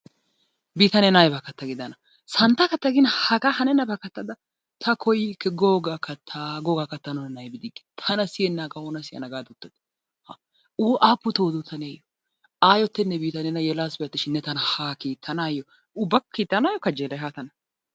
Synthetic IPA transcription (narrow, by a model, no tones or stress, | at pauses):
biːt̪ɐnɛnajbakːɐt̪ːɐɡɪd̪ɐnɐ | sɐnt̪ɐkɐt̪ːɐɡɪnhɐɡahɐnɛnɐbɐkɐt̪ːɐd̪ɐ | t̪ʰɐkʰɔjkːɛɡoːɡaːkːɐt̪ʰːaɡoːɡakːɐt̪ːɐnɔnɛnɐjbɪd̪ɪɡɪ̥t̪ʰɐnɐsɪjɛnːaːɡɐɔnɐsɪjɐ̰nɐɡaːd̪ʊt̪ːɐd̪ | hɐ | uːʔaːpːʊt̪oːd̪ʊt̪ʰɐnɛjɐjɔ | aːjɔt̪ːɛnːɛbiːt̪ɐnɛnɐjɛlaːsbɛɐt̪ːɪʃɪnːɛt̪ɐnɐhakiːt̪ʰːɐnaːjɔ | ʊbːɐkʰːiːt̪ːɐnaːjɔkɐd͡ʒɛlɐɦat̪ɐnɐ